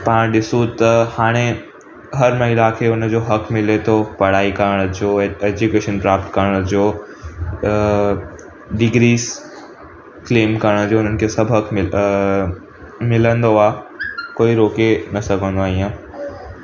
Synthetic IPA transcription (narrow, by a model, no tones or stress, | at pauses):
pãɗɪsot̪ɐhaːɽ̃ẽ | ɦɐɾmɐɦilakʰeːʊnə̆d͡ʑoːɦɐkmɪlet̪ʰopɐɽaːikəɾəɽ̃əd͡ʑoːeːd͡ʑukeːʃənpɾaːpt̪kɐɾəɽ̃əd͡ʑoː | ɖɪɡɾiːz | kleːmkɐɾəɽ̃əd͡ʑoːʊn̤ənɪ̆kʰeːsɐbʱɦɐkmɪ | mɪlə̃nd̪oaːkoːiɾoːkenɐsɐɡʱə̃nd̪oaːiːãː